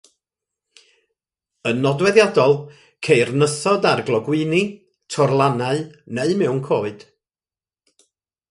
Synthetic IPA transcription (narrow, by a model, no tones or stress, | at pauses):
ənɔdwɛðjadɔlˠ | kʰejrnəθɔdarɡlˠɔɡwɨni | tʰɔrlˠanaɨneɨmɛwnkʰoːɨd̥